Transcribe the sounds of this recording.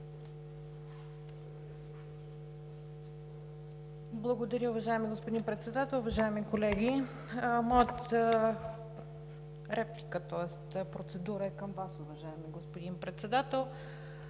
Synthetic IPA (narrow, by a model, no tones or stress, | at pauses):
blˠɐɡod̪ɐɾʲəʊvɐʒaɛmiɡospod̪inpɾɛt̪sɛd̪at̪ɛlˠʊvɐʒaɛmikolɛɡʲi | mɔjət̪ | ɾɛplikət̪ɔɛst̪pɾot̪sɛd̪uɾəɛkɐmvasʊvɐʒaɛmiɡospod̪inpɾɛt̪sɛd̪at̪ɛlˠ